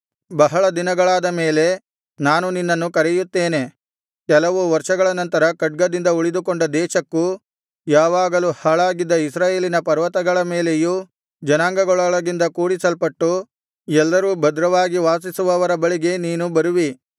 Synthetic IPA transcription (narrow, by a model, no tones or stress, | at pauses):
bɐɦɐɭɐd̪inɐɡɐɭaːd̪ɐme̞ːle̞ | naːnuninːɐnːukɐɾɛjut̪ːe̞ːne̞ | kɛlɐʋuʋɐɾʂɐɡɐɭɐnɐnt̪ɐɾɐkɐɖ̚ɡɐd̪ind̪ɐuɭid̪ukoɳɖɐd̪ɛːʃɐkːu | jaːʋaːɡɐluhaɭaːɡid̪ːɐisɾaːje̞ːlinɐpɐɾʋɐt̪ɐɡɐɭɐme̞ːle̞ju | d͡ʒɐnaːŋɡɐɡɔɭɐɭɐɡind̪ɐkuːɽisɐlpɐʈːu | ɛlːɐɾuːbɐd̪ɾɐʋaːɡiʋaːsisuʋɐʋɐɾɐbɐɭiɡe̞niːnubɐɾuʋi